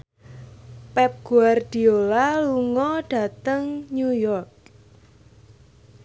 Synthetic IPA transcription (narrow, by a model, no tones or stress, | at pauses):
pɛp̚ɡ̥uard̥i̤olaluŋɔɖ̥a̤t̪əŋɲujɔrk̚